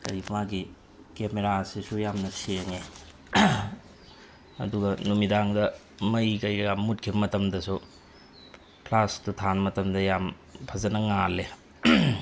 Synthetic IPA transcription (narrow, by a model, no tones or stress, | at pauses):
kɐ̰ɾipʰmaɡi | kemeɾasisujamnɐsiɾɐŋe | ɐ̰duɡɐnumidaŋdɐ | mɐjkɐjɡɐɡamːut̚kʰibɐmɐtɐmdɐsu | pʰlastutʰanmɐtɐmdɐjam | pʰɐzɐnɐŋalːe